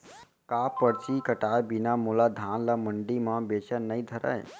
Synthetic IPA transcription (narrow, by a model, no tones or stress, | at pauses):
kaːpəɽt͡ʃikəʈaːjbinamulad̪ʱaːnləməɳɖimãbet͡ʃənəid̪ʱəɾə̰j